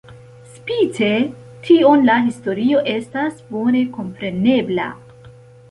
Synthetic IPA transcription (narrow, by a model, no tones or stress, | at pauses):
spit͡se̞ | tʰio̞nlaɦisto̞ɾio̞ʔe̞stasbo̞ne̞ko̞mpɾe̞ne̞bla̰